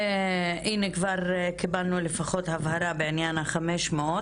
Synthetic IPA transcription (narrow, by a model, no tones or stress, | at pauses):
ʔinekvaɾkibalnulefaχo̞t̪havhaɾabeanjanaχameʃmeo